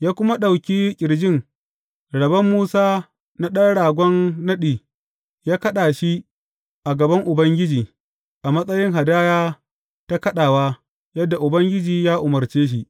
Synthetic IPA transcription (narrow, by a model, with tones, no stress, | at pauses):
jaː˦kʷʊ˦ma˦ɗa˨wkʲiː˦kʲʼɪ˨ɽd͡ʒɪ˦˨ŋ | ɽɐ˨bɐ˦mːuː˦saː˦ | na˦ɗɐ˦nɽaː˨ɡʷɔ˦nːɐ˦ɗiː˨ | jaː˦kɐ˦ɗaː˨ʃi˦ | ʔa˨ɡɐ˨bɐ˦ŋʔʊ˨bɐ˦ŋɡʲɪ˦d͡ʒiː˨ | ʔa˨mɐ˦sʼɐ˦jɪ˦ŋɦa˨daː˦jaː˦ | ta˦kɐ˦ɗaː˨waː˦ | jɐ˦dːa˨ʔʊ˨bɐ˦ŋɡʲɪ˦d͡ʒiː˨jaː˦ʔʊ˨mɐ˨ɾt͡ʃeː˦ʃ̬i˦ʔ